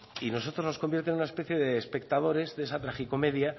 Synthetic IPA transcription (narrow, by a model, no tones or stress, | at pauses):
ino̞so̞t̪ɾo̞zno̞sko̞mbje̞ɾt̪enunaespe̞θje̞ðeːspe̞k̚t̪að̞o̞ɾe̞zðee̞sat̪ɾaxiko̞me̞ðja